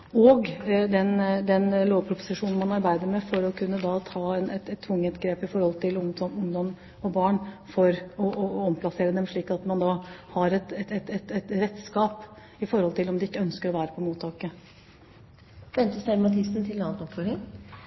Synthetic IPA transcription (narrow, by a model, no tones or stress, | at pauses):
ɔɡd̪ɛnd̪ɛnloːʋpʰɾʊpʊ̥sɪʂuːnn̩mɑnɑɾbæɪd̪əɾmɛfɔɾɔkʰʉnːəd̪ɑt̪ʰɑːɛnɛt̪ɛt̪ʰːʊŋːət̪ɡɾeːpɪfɔɾhɔlt̪ʰɪlʊŋɔmʊŋd̪ɔm | ɔbɑːɳfɔɾɔʔɔɔmpʰlɑseːɾəd̪ɛmʂɭiːkɑt̪mɑnd̪ɑhɑɾɛt̪ɛɛt̪ɛt̪ɛt̪ɾɛt̪ːskɑːp | ɪfɔɾhɔlt̪ʰɪlɔmd̪ɪɪkːəœnskəɾɔʋæːɾəpʰɔmuːt̪ʰːɑːkə | ʋɛnt̪əsæɾmɑt̪ʰɪsn̩t̪ʰɪlnɑːt̪ɔpfɔɾɪŋ